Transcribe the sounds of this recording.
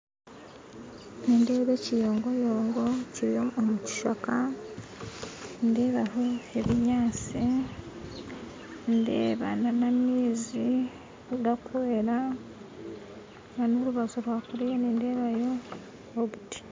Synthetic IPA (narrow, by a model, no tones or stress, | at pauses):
neːnde̞ːβecijo̞ːŋɡo̞jo̞ːŋɡo̞ciɾjoːmuci̥ʃaka | nde̞ːβaɦo̞e̞βiɲaːt͡si | nde̞̰ːβa̰nanamiːzi | uɡakweɾa | ŋanoɾuβazoɾwaːkuɾijeniːnde̞ːβajo̞ | oβuti̥